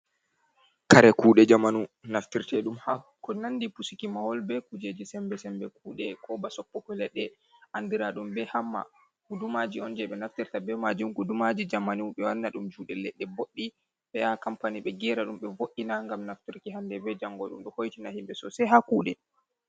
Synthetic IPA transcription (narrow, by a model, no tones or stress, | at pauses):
kaɾɛkuːɗɛd͡ʒamanunaftiɾtɛɗumha | kɔnandipusikimahɔlbɛkud͡ʒed͡ʒisɛmbɛsɛmbɛkuːɗɛkʰɔbasɔpːɔkɔlɛɗːɛ | ʔandiɾaɗumbɛhamːa̰ | kudumad͡ʒiɔnd͡ʒɛɓɛnaftiɾtabɛmad͡ʒimkudumad͡ʒid͡ʒamanuɓɛwaɾnaɗumd͡ʒuɗɛlɛɗːɛboɗːi | ɓɛjakampaniɓɛɡɛɾaɗumɓɛvoʔːinaŋɡamnaftiɾkiɦandɛbɛd͡ʒaŋɡɔɗṵmɗɔhojtinahimbɛsɔsɛɦakuːɗɛ